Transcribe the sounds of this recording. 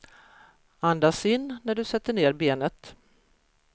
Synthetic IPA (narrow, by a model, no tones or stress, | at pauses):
and̪asɪnːnæɖɵsɛt̪ːəɳeːɾbeːnət̪